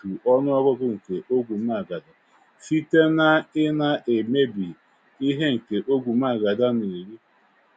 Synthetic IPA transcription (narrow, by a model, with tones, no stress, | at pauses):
u˨ʔɔ˦nʊ˦ɔ˦ɡʊ˦ɡʊ˦ŋ̩˨ke˨ʔo˦ɡʷu˨m˦a˨ɡa˨da˨ | fi˦te˦na˦ɪ˦na˦ʔe˨me˦bi˨ | i˦ɦe˦ŋ̩˨ke˨ʔo˦ɡʷu˨m˦a˨ɡa˨da˦ne˨ɾi˦